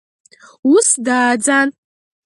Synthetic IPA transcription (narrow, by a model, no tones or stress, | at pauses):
usdaːd͡zan